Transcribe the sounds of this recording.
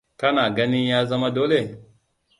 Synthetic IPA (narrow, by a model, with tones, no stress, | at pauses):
ka˦na˨ɡa˦ni˦jaː˦za˦ma˦do˦le˨